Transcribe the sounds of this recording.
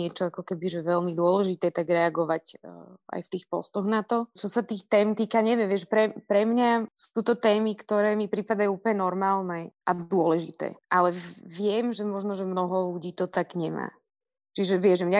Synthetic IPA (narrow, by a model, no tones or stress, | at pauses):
ɪɛt͡ʃɔakɔkɛbiʒɛʋɛlmid̪ʊɔlɛʒit̪ɛːt̪aɡɾɛaɡɔʋacʔa̰jft̪iːxpɔ̰st̪ɔɣnat̪ɔt͡ʃɔsat̪iːxt̪ɛːmt̪iːkaɲɛʋɛmʋɪɛʃpɾɛpɾɛmɲasut̪ɔt̪ɛːmikt̪ɔɾɛːmipɾipad̪ajuuːpəɲɛnɔɾmaːlnɛʔad̪ʊɔlɛʒḭt̪ɛ̰ːʔalɛʋɪɛmʒɛmɔʒnɔʒɛmnɔɦɔluɟiːt̪ɔt̪aɡɲɛma̰ː | t͡ʃiʒɛʋɪɛʒɛmɲa